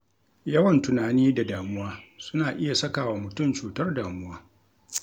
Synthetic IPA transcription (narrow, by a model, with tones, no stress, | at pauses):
jɐ˦wɐ˨ntʊ˨naː˨niː˦da˨daː˨mʊ˦waː˦sʊ˦naː˨ʔɪ˦ja˨sɐ˦kaː˨wa˨mʊ˨tʊ˦˨mt͡ʃuː˨tɐ˦rdaː˨mʊ˦waː˦